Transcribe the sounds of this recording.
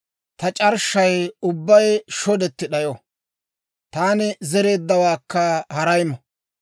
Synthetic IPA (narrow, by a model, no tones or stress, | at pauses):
t̪ɐt͡ʃʼɐɾʃɐjʊbːɐjʃɔd̪ɛt̪ːɪɗɐjo | t̪aːnɪzɛɾe̞ːd̪ːɐwaːkːɐhɐɾɐjmɐ